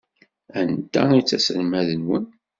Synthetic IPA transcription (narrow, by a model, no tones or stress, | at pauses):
ænt̪ːæ̰it͡sːæsəlmæðənwən